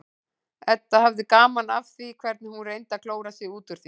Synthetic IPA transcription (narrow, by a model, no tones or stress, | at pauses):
ɛt̪ːahavðɪkaːmanavθikʰvɛɾt̪nɪhunrejnt̪akʰloːwɾasjɛɣuːt̪ʏɾ̥θi